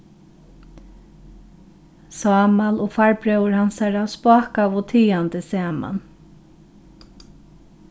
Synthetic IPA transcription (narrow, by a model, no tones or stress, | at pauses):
sɑːmalʊːfaɹbɾœwəɹhansaɹawspaːkaʋʊt̪ʰiːand̪əsæːma̰n